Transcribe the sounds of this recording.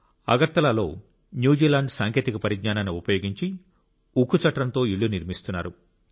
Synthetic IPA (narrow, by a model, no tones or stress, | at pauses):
ɐ̰ɡɐɾt̪ɐlaːlo̞ː | njuːd͡ʒiːlaːɳɖsaːŋkʰjeːt̪ikɐpɐɾiɡɲaːnaːnuupɐjo̞ːɡiɲt͡ʃi | ukːut͡ʃɐʈɾɐnt̪o̞ːiɭːuniɾmist̪unːaːɾu